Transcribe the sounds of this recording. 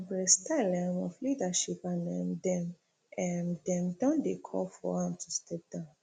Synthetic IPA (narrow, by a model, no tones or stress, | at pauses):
bɹɛstʰalɛ̃mɔflidaʃipanɛ̃mdɛ̃m | ʔɛ̃ndɛ̃mdɔ̃ndekʰɔ̰lfɔ̰ãmtʰustʰɛp̚d̥ãʊ̃n